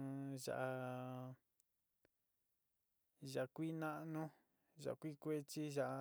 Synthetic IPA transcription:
ʒa̰˨ʔa˧ | ʒa˨˧kʷi˦nã˦ʔnũ˦ | ʒa̰˨ʔkʷi˦kʷe˦t͡ʃi˦ʒa˨ʔ

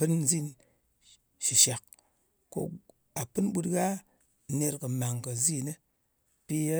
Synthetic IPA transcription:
ɨ˦nzi˦˨n | ʃi˨ʃa˨k̚ | ko̰˧ | a˨pɨ˦nɓu˦tɡa˦˨ | ne˧tkə˨ma˨ŋkə˨zi˦˨ne˦ | pi˦a˦

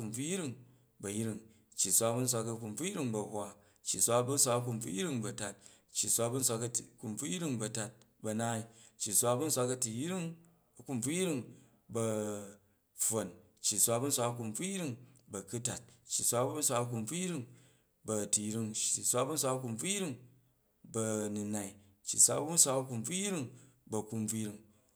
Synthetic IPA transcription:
ku˧˨mb͡vu˦ji˦ɾi˦ŋ | bɐ˨ji˦ɾi˦˧ŋ | t͡ʃːi˨sʷa˧bu˦n̩˦s̬ʷa˧kɐ˧ku˧˨mb͡vu˦ji˦ɾi˦ŋbɐ˨hwa˦ | t͡ʃːi˨sʷa˧bu˦n̩˦s̬ʷa˧kɐ˧k̬u˧mb͡vṵ˦ji˦ɾi˦˧ŋbɐ˨ta˨t̚ | t͡ʃːi˨sʷa˧bu˦n̩˦s̬ʷa˧kɐ˧˨ku˧mb͡vu˦ji˦ɾi˦˨ŋbɐ˧ta˧t̚bɐ˧na˦i˦t͡ʃːi˨sʷa˧˦bu˦n̩˦sʷa˧kɐ˧ti˨ji˦ɾi˦ŋ | ɐ˨ku˦˧mb͡vu˦ji˦ɾi˦ŋ | bɐ˧ | fo˨n | t͡ʃːi˨sʷa˧bu˦n̩˦sʷa˧kɐ˧k̬u˧mb͡vu˦ji˦ɾi˦ŋbɐ˨ku˦ta˨t̚t͡ʃːi˨sʷa˧˦n̩˦sʷa˧kɐ˧k̬u˧mb͡vu˦ji˦ɾi˦ŋ | bɐ˨˧ti˨ji˦ɾi˧ŋt͡ʃːi˨sʷa˦bu˦n̩s̬ʷa˧kɐ˧ku˧˨mb͡vu˦ji˦ɾi˦ŋ | bɐ˧nu˧na˨i˦ | t͡ʃːi˨sʷa˦bu˦n̩˦sʷa˧kɐ˧ku˧mb͡vu˦ji˦ɾi˦˧ŋbɐ˨˧ku˧mb͡vu˦ji˦ɾi˧ŋ

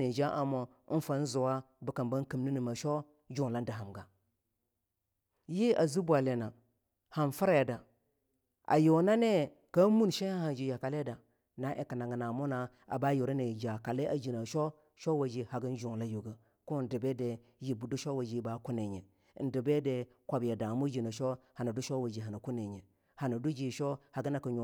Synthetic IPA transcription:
e˨d͡ʒa˦ʔa˨mo˨˦ | n˦fa˨n̩˦zu˨wa˦ | bə˨˦ka˨mba˦n˦ki˨mni˦ni˨ma˨ʃo˦ | d͡ʒu˦˨ŋ˨la˦n˦da˨ɦa˨mɡa˨ | ji˦a˨zi˦bʷa˨le˨na˨ | ha˨nfi˦ɾa˦˨da˨ | ʔa̰˨jo˨na˦ne˦ | ka˦mu˦nʃe˦a˦ha˨n˨d͡ʒi˨ja˨ka˨le˦da˨ | na˨˦ʔe˨ka˨na˨ŋɡə˨na˨mo˦na˨ | a̰˨ba˦jo˨ɾa˦ne˨d͡ʒa˨ka˨le˦ʔa˨d͡ʒi˨na˨ʃo˦ | ʃo˦wa˨d͡ʒi˨ha˨ɡə˦n˦d͡ʒu˨ŋ˨la˦ju˨ɡa˨ | ko˦n˦di˨be˦de˨ | ji˨bu˨du˦ʃo˦wa˨d͡ʒi˨˦ba˨˦ku˦ne˨ɲe˨ | n̩˦də˨be˦de˨ | kʷa˨bja˨da˨mu˦d͡ʒi˨na˨ʃo˦ha˨na˨du˦ʃo˦wa˨d͡ʒi˨ɦa˨na˨ku˦ne˨ɲe˨ | ha˨na˨du˦d͡ʒi˨ʃo˦ha˨ɡa˦na˨ka˨ɲo˨

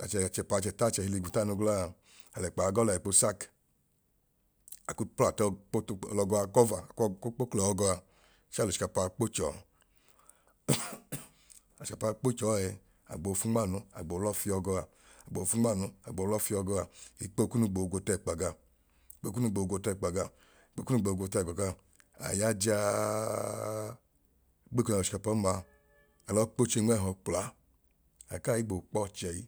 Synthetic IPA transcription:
a˨t͡ʃɛ˧˨a˨t͡ʃɛ˧pa˧t͡ʃɛ˧˨ta˦˨t͡ʃɛ˧hi˧li˧ɡu˨ta˦˨no˧ɡla˦˧˨ | a˨lɛ˨k͡pa˨˧ɡɔ˦la˨i˨k͡po˧˦sa˦˨k | a˨ku˦pa˨tk͡plɔ˧ɡɔ˧a˧kɔ˦va˨kk͡po˦klɔ˨ɔ˧ɡɔ˧a˧ | ʃa˦˨lo˨i̥˨ka˧˨paː˧k͡po˦t͡ʃɔ˨ | a˨ʃi˨ka˧˨pa˧k͡po˦t͡ʃɔː˨˦ɛ˧ | a̰˨ɡ͡bo˨˧fu˦ɡ͡ba˦˨nu˧˦a̰˨ɡ͡bo˨˦lɔ˦fi˧ɔ˧ɡɔ˧a˧ | a˨ɡ͡bo˨o˨fu˦ŋ͡ma˦˨nu˨a˨ɡ͡bo˨lɔ˦fi˦ɔ˧ɡɔ˧a˨i˨k͡pe˦ku˦nu˦ɡ͡bo˨o˨ɡo˧tɛ˦˨k͡pa˨ɡa˧ | i˨k͡pe˦ku˦nu˧˦ɡ͡bo˨o˨ɡʷo˧tɛ˦˨k͡pa˨ɡa˨˦ | k͡pe˦ku˦nu˦ɡ͡bo˨ɡo˧tɛ˦˨ɡɔ˨ɡa˦ | a̰˨ja˦d͡ʒa˦ | ɡ͡be˦kɔ˦na˨ʃi̥˨ka˨pa˨˦ma˨ | ɛ˨lɔ˦k͡po˦t͡ʃe˦ŋ˦˨ɦɔ˨k͡pla˨˦ | a̰˨ka˦˨ji˦ɡ͡bo˨k͡pɔ˦˨t͡ʃɛ˨ji˦

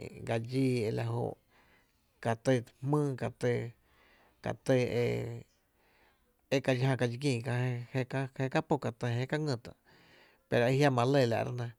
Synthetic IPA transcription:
ɡa˧d͡ʒiː˧e˧la˧ɦo̰˧˨ʔ | ka˨t̪ə˧hmɨ̃ː˦ka˨t̪ə˧ | ka̰˨t̪e˧˨ḛ˧ | e˦ka˧d͡ʒɦã˧ka˧d͡ʒi˧ɡĩː˧˨ka˧he˧ka˦he˧ka˦po˧˨ka˨t̪ə˧ɦe˧ka˦ŋə̃˧˨t̪ã̰˨ʔ | pe˨ɾo˨i˧hja˦mã˧le˧˨la̰˨ʔɾa̰˧nã˧

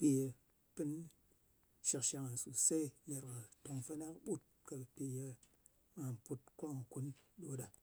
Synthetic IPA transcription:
pi˧je˧ | pɨ˦n | ʃi˨kʃa˨ŋa˨n˨su˨se˦ɲa˨ɾka˨to˨ŋfa˦na˦kɓu˦t̚ka˨pi˨je˦˧ | ma˨m˨pu˦t̚ko˦ŋa˨ku˦nɗo˦ɗa˨

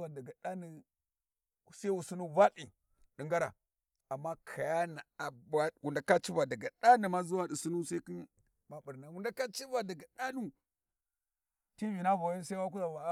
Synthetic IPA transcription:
a˨də˨ɡa˨ɗa˦ni˨ | sa˦i˦wu˨su˦nu˦va˦li˨ | ɗi˨ŋɡa˦ɾa̰˨ | a˨mːa˦kʰa˨ja˦na˨a˨ba˦wu˨nda˨ka˦t͡ʃi˦va˨da˨ɡa˨ɗa˦ni˨ma˦zu˦wa˦di˨su˦nu˦sa˦i˦ki˦n | ma˨bu˨ɾna˨wu˨nda˦ka˦t͡ʃi˦va˨da˨ɡa˨ɗa˦nu˦ | ti˦vi˨na˦va˨˦i˦sa˦wa˦k̬u˦za˨va˨˦

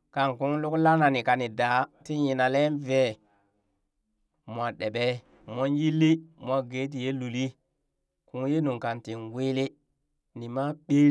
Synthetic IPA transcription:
ka˨nku˦ŋlu˦kla˦na˨ni˨ka˨ni˨da˨˦ti˦ji˨na˨le˦nve˨ | mʷ˨a˨ɗe˨ɓe˦ | mo˦nji˦lːi˦mʷ˨a˦ɡe˨˦t̬i˨je˦lu˨li˦ | ku˦ŋje˦nu˨ŋka˨nti˨nɡwi˦li˦ | ni˨ma˦ɓe˦

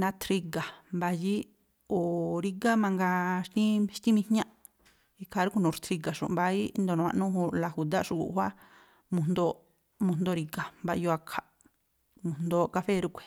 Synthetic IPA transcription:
nã˧t̪ɾi˧ɡa˨mba˧ji˦ | o˨ɾi˧ɡa˦mã˧ŋɡa˧ʃt̪ĩ˦ʃt̪ĩ˦mĩ˧hɲã˦ | i˧kʰa˧˨ɾu˦ku˧nũ˨ɾt̪ʰɾi˧ɡa˨ʃṵ˨mba˧i˦nd̪o˨nũ˧ã̰˧ʔnũ˦ɦũ˧la˧˨hu˨d̪a˦ʃu˧kṵ˨ʔhʷwa˦ | mũ˧nd̪o˧ | mũ˧nd̪o˧ɾi˧ɡa˨mba˧jo˧a˧kʰa˨ | mũ˨nd̪o˧ka˧fe˦˧ɾu˦kʷe̥˨

